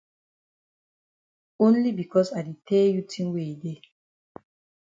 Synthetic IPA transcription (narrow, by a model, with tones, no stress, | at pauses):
õnlibi˨kɔsa˨di˨tʰɛ˦ju˦tʰĩ˦nwe˨de